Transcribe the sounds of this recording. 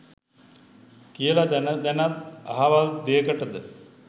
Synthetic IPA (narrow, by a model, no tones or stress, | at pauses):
kijəlad̪nd̪ænat̪̚a̰ɦaʋald̪eːkəʈəd̪ə